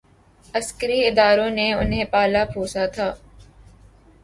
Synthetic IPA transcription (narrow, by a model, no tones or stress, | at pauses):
əskəɾiɪd̪aːɾõːneʊnɦẽːpaːlapʰoːsat̪ʰaː